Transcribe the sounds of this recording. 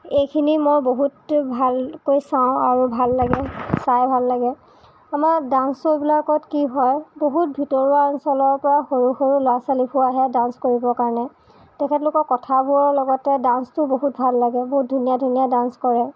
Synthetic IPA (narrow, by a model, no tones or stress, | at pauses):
ejkʰinimojboɦutbʱalkojsaʊ̃aɹubʱalːaɡɛsajbʱalːaɡɛ | amaɹdansobilakɔtkiɦɔjboɦut̚bʱitɔɹuaansɔlɔɹpɔɹaxoɹuxoɹulʊasalipʰʊaɦɛdanskoɹibɔkaɹnɛ | tɛkʰɛt̬lʊkɔkɔtʰabʱuɔɹlɔɡɔtɛdanstʊboɦutbʱalːaɡɛboɦut̚dʱunijadʱunijadanskɔɹɛ